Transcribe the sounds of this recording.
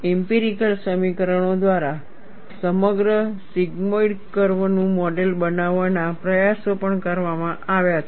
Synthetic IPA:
ɛmpiɾikəlsəmikəɾəɳ̃od̪ʋaɾa | səməɡɾəsiɡmoiɖkəɾʋnũmɔɖelbənaʋanapɾəjasopəɳkəɾʋamãʔaʋjaət̪

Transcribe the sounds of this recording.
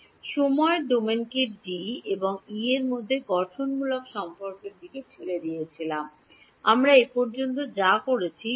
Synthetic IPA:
ʃomɔeɖomenkiɾɖieboŋieɾmod̪ʱːeɡɔʈʰonmulokʃɔmpoɾkeɾd̪ʱiket͡ɕʰeled̪ijet͡ɕʰilam | amɾaepɔɾd͡ʑont̪od͡ʑakoɾet͡ɕʰi

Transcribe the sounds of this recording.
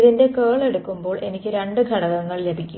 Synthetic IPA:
ðinde̞keːɭe̞ɽukːumbo̞ːɭʔe̞nikʲːɨɾe̞ɳɖɨɡʱɐɳɐɣɐŋːɐɭle̞bʱikʲːu

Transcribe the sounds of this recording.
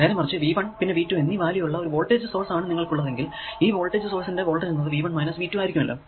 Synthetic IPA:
neːɾemɐrɐt͡ɕːɨʋiːbɐɳpinːe̞ʋiːtːumenːiʋaːlijɐjuɭːɐo̞ɾuʋo̞ːɭʈe̞ːd͡ʑɨso̞ːrsaːɳɨniŋːɐɭkuɭːɐðe̞ŋɡil | iːʋo̞ːɭʈːe̞ːd͡ʑɨso̞ːrsinde̞ʋo̞ːɭʈeunːɐðɨʋiːbɐɳmɐjnɐsʋiːtːumaːjikʲːumɐlːo̰ː

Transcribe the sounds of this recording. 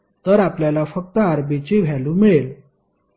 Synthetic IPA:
t̪əɾapljalafək̚t̪əaɾbit͡ɕeʋʱjalũːmeɭel

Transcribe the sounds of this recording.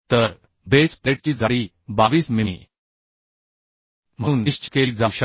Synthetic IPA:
t̪əɾ | best̪eʈ̚t͡ɕiːd͡zʱaɽiː | baʋiːsmimḭ | m̤ə̃ũːniʂt͡ɕkeld͡zawɕə

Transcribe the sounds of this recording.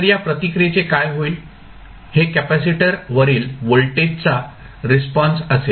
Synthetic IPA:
ɾjapɾət̪ikɾjet͡sekajɦoiːl | hekæpæsiʈəɾʋəɾiːlʋoɭʈet͡sa | ɾespɔ̃nsəse

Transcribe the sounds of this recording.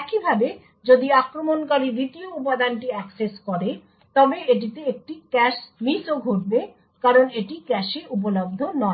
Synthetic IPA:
ɛkibʱabe | d͡ʑod̪iakɾomonkaɾid̪it̪ioup̬ad̪anʈiɛkseskɔɾe | t̪ɔbeeʈ̬it̪eek̚ʈikɛʃmisoɡʱoʈ̚be | kaɾoneʈikɛʃeup̬olob̚d̪ʱonɔe

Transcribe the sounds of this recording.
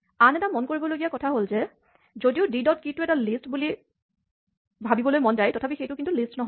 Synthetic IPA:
anɛtamonkoɹibɔloɡijakɔtʰaɦolzɛ | zodiʊdidɔt̚kitʊɛtalistbuli | bʱabibɔlojmɔndajtɔtʰapixejtʊkintulistnɔɦɔ

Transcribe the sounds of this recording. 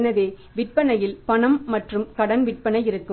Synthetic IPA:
nɐʋeː | ʋɪʈ̚pɐnɐjɪlpɐɳɐmːɐʈrɯmkɐɽɐnʋɪʈ̚pɐnɐɪɪɾɯkːɯ

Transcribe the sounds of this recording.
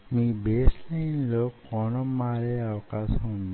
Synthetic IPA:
miːbeːslɐjnloːkɔːnɔmːaːɾeːɐʋɐkaːʃɐmund̪

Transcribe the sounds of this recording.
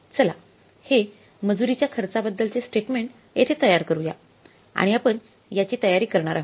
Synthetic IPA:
t͡səla | he | məd͡zuɾit͡ɕjakʰəɾt͡sabəd̪ːəlt͡sesʈeʈmeɳʈ | jet̪ʰet̪əjaɾkəɾuja̰ | a̰ɽ̃iapəɳ | jat͡ɕiːt̪əjaɾiːkəɾɳaɾaɦ

